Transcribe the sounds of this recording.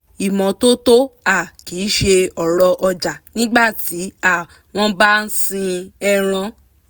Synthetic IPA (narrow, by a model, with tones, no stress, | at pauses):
i˨mɔ̃˨to˦to˦a˦˨kiː˨˦ʃe˧ɔ˨ɾɔ˧ʔɔ˧d͡ʒa˨nĩ˦ɡ͡ba˦˨ti˨˦a˦˨ | w̃ɔ̃˦ba˦n̩˦sĩ˧ɛ˧ɾ̃ã˧